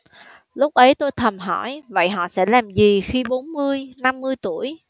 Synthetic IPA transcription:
lʊ˦˥k͡p̚ʔə˨˦jt̪o˧jt̪ʰə˨˩mɦɔ˧˩jvə̰˧˨jɦɔ̰˧˨sɛ̰˧˥laː˨˩mzi˨˩xi˧ɓo˨˦nmɨ˧əjna˧mːɨ˧əjt̪u˧˩əj

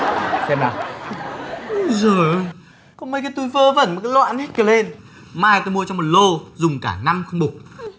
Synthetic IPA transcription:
sɛ˧mnaː˨˩ | ə˧zəː˨˩ | kɔ̰˧˦ŋ͡mmə˧˩kaː˨˦jt̪u˧jvəː˧və̰˧˩nmo˨˩kaː˨˦jlwa̰ː˧˨nhi˦˥t̚kə˨˩le˧n | maː˧jt̪o˧jmu˧ət͡ɕɔ˧ŋ͡mmo˨˩t̚lo˧zʊ˨˩ŋ͡mkaː˧˩na˧mxə˧wŋ͡mɓʊ˨˩k͡p̚

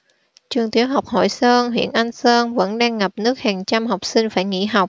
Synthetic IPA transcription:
t͡ɕwɨ˨˩əŋt̪i˨˦əwɦa˨˩wk͡p̚ho̰˧˨jsəː˧nɦwḭ˧˨ənʔa˧jŋ̟səː˧nvə̰˧˥nɗaː˧ŋːa˨˩p̚nɨ˦˥ək̚haː˨˩ŋt͡ɕa˧mha˨˩wk͡p̚sï˧ŋ̟faː˧˩jŋḭ˧˥ɦa˨˩wk͡p̚

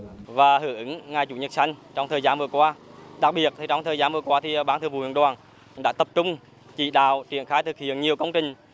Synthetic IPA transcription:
vaː˨˩hɨ˧˩˦ʔɨ˧˦ŋŋa˨˩jt͡ɕu˧˩ɲə˨˩t̚sa˧jŋ̟t͡ɕɔ˧wŋ͡mt̪əː˨˩zaː˨˧nvɨ˨˩əkwaː˧ɗa˨˩k̚ɓi˨˩ət̚t̪ʰi˨˩t͡ɕɔ˧wŋ͡mt̪ʰəː˨˩jzaː˨˧˦nvɨ˨˩əkwaː˧t̪ʰi˨˩ɓaː˨˦nt̪ɨ˨˧˩vṵ˧˨˩wḭ˧˨nɗwaː˨˩n | ɗa̰ː˧˥t̪ə˨˩p̚t͡ɕʊ˧ŋ͡m | t͡ɕḭ˧˨ɗa̰ː˧˨wt͡ɕḭ˧˩ənxaː˨˦jt̪ʰɨ˨˩k̚hḭ˧˨ənɲi˨˩əwkə˧wŋ͡mt͡ɕï˨˩ŋ̟

